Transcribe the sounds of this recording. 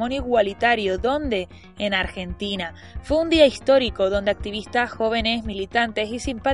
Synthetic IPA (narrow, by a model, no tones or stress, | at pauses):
õnjiɣwalit̪aɾjoðo̞nd̪e̞ː | naɾxe̞nt̪ina | fweund̪iaist̪o̞ɾiko̞ðo̞nd̪eak̚t̪iβ̞ist̪asxo̞β̞e̞ne̞zmilit̪ant̪e̞sisimpa